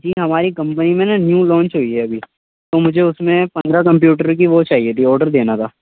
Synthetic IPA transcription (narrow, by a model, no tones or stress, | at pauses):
d͡ʒiːɦɐmaːɾikɐ̃mpənimẽnanjũːlɔ̃ːnt͡ʃɦoːiɦɛɐbʱiː | t̪omʊd͡ʒʱeʊsmẽpɐ̃nd̪ɾakɐ̃mp̬juːʈəɾk̬iʋot͡ʃaːɦiet̪ʰiɔːɾɖəɾd̪eːnat̪ʰaː